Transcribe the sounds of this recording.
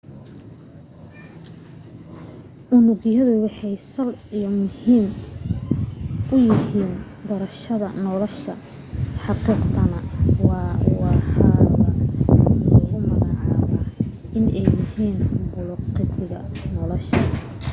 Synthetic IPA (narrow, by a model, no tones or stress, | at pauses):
ʔʊnʊɣjɐðʊwɑħɑjsɐlijɔmʊhiːm | ʔʊjɪɦiːn | d̪ɐɾɐʃɐðɐ̰nɔlɔʃɐ | ħɑqiːqt̪ʰɐnɐwɑwɑħɑːβɐ | ɔɣʊmɐɣɑʕɑːβaː | ɪnɛjɪhiːnbʊlʊqɪt̪ɪɣɐ̰nɔlɔʃɐ